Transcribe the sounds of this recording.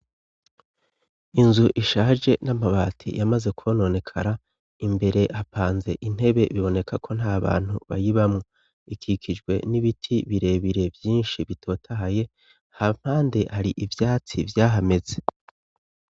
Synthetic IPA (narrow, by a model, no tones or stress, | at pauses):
inzuʔiʃaːʒe̞namaβaːtʰḭjamaze̞kʰono̞ne̞kʰa̰ɾa | imbe̞ɾe̞ʔapaːnze̞̰ʔin̥he̞βe̞βiβo̞ne̞kʰakʰo̞n̥haːβa̰ːn̥huβa̰jiβamŋo | ikʰikʰid͡ʒɡwe̞̰niβitʰiβiɾe̞ːβiɾe̞vjiːnʃiβitʰo̞ːtʰaɦaje̞ | ham̥haːndehaɾiʔivjaːt͡sivjaːɦame̞ze